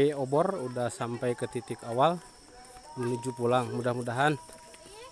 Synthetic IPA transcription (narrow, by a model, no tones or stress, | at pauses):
iɔbɔrudahsampɛjkət̪it̪ikawal | dulud͡ʒupulaŋmudahmudaɦan